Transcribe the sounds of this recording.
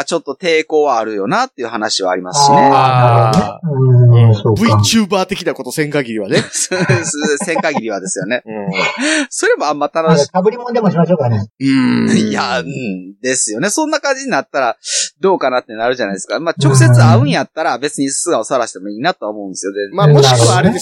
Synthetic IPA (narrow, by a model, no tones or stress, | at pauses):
t͡ɕo̞t̪ːo̞t̪e̞ːko̞ːβaːɾɯ̟jo̞nat̪ːeiɯ̟hanaɕiβaːɾʲimasɨ̥ɕineaɾ | soːbɯit͡ɕɨːbaːt̪e̞kʲinako̞t̪o̞sẽ̞ŋkaɡʲiɾʲiβanesssẽ̞ŋkaɡʲiɾʲiβad̪e̞sɨjo̞ne̞ | so̞ɾe̞mo̞amːat̪anoɕabɯ̟ɾʲimõnd̪e̞moɕimaɕokaneɯ̟̃jaɯ̃d̪e̞sɨjo̞ne̞sõ̞nːakãɲ̟d͡ʑiɲ̟inat̪ːaɾad̪o̞ːkanat̪ːe̞naɾɯ̟ʑanaid̪esɨ̥kamat͡ɕokɯ̟̥s̬e̞t͡sɨaɯ̟̃ɰ̃jat̪ːaɾabe̞t͡sɨɲ̟issɨɡao̞saaɾaɕi̥t̪e̞mo̞iːnat̪o̞βaomo̞ɯ̃nd̪esɨjo̞d̪emamoikɯβaɾee